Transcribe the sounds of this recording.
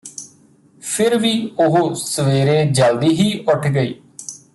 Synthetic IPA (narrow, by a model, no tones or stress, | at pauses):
pʰɪɾʋiːʊɦoːsəʋeːɾẽːd͡ʒəld̪iːɦiːʔʊʈʰɡəḭː